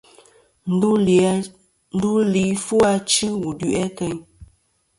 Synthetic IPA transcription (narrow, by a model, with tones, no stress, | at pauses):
n̩˦du˦li˨fu˦a˦t͡ʃɨ˦wu˨dʉ˨ʔɛ˦kɛ˦ɲ